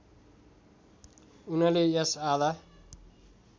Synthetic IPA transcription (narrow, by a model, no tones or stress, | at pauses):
unʌlejʌsad̪a